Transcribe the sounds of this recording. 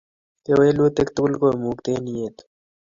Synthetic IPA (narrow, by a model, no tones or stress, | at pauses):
t̪eweːluːt̪ekt̪bʊlkoːmuːkt̪eːnijeːt̪